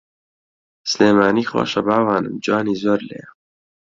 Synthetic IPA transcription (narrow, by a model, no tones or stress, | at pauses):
sleːmaːniːxwo̰ːʃɐbaːwaːnɨ̰md͡ʒɑːniːzoːɾlḛː